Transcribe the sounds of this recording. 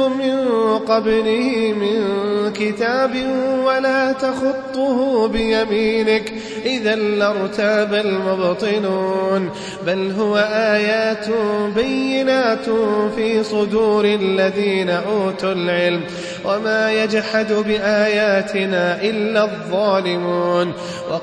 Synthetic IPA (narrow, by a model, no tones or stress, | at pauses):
mɪnqɑblɪhɪmɪnkɪt̪aːbɪwalaːt̪axʊt̪ˤːʊhʊbɪjamiːnɪk | ʔɪðanːɪɾˤt̪aːbalmʊbt̪ˤɨnuːn | balɦʊwaʔaːjaːt̪bajːɪnaːt̪fiːsˤʊd̪uːɾɪlːaðiːnaʔuːt̪ʊlʕɪlm | wʔamaːjad͡ʒħad̪bɪʔaːjaːt̪ʰɪnaːʔɪlːaðˤːɑːlɪmuːn | wɑ